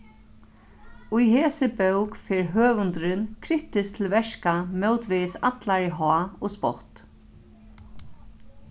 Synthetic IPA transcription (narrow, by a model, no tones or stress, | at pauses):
ʊjheːsɪbœwkfɛːɹɦøːvʊnt̪ɾɪnkʰɾɪht̪ɪst̪ʰɪlvɛʂkamœwt̪ʋɪsa̰t̪laɹɪɦɔːɔspɔ̰ht̪